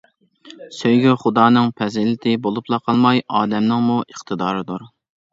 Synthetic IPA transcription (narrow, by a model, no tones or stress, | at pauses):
søjɡʲɛχʊd̪ɑːnɨŋpʰɛzɪlɪt̪ʰɪbolˠuplˠɑqʰɑlˠmɑjɑːd̪ɛmnɨŋmuʔəχt̪ʰɨd̪ɑːɾɨd̪uɾ